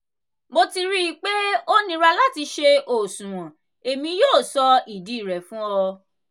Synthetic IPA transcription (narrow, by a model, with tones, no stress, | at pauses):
mo˧ti˧ɾi˦˨k͡pe˦o˦nĩ˦ɾa˧la˦ti˧ʃe˧o˨sũ˨w̃ɔ̃˨ | e˨mĩ˧˦joː˦˨sɔ˧i˨di˨˦i˦˨ɾɛ˨fũ˦ɔ˧